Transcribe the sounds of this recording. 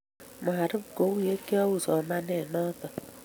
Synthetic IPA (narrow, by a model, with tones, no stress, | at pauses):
m˨a˨ɾɪ˦pko˨˦wu˦je˦kjɔ˦wu˨sɔ˨ma˦nɛ˨nɔ˦t̪ɔ˨